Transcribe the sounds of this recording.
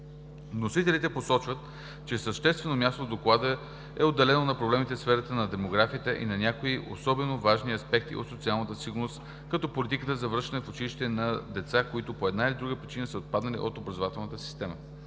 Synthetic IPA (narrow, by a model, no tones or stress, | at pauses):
nosit̪ɛlit̪ɛposɔt͡ʃvət̪ | t͡ʃɛsəʃt̪ɛst̪vɛnomʲjast̪ovd̪oklˠad̪ə | ɛod̪ːɛlɛnonɐpɾoblɛmit̪ɛsfɛɾət̪ənɐd̪ɛmoɡɾafiət̪ɛʔḭnɐnʲakoiʔo̰sɔbɛnovaʒniɐspɛk̚t̪ḭo̰t̪sot̪sialˠnət̪əsiɡʊɾnost̪ | kɐt̪ɔpolit̪ikət̪əzɐvəɾʃt̪ɐnɛfot͡ʃiliʃt̪ɛnɐd̪ɛt̪sakoit̪ʊpoɛd̪nailʲid̪ɾuɡəpɾʲit͡ʃinəsəot̪̚pad̪nɐlḭʔot̪obɾɐzovat̪ɛlˠnət̪əsi̥st̪ɛmə